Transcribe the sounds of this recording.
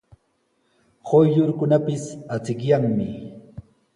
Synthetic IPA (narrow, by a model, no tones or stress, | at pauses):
hojʎʊɾkʊnapɪsat͡sɪkjaŋmɪ